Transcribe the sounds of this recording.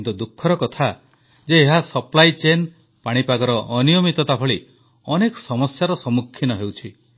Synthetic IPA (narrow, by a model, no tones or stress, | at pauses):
t̪ud̪ukʰːɔɾɔkɔt̪ʰa | d͡ʒeːɦasɔplajt͡ʃen | paɽ̃ipaɡɔɾɔʔːnijɔmit̪ɔt̪apʰɔɭi | ɔnekɔ̥sɔmɔsjaɾɔsɔmukʰːinɔɦewt͡ʃʰi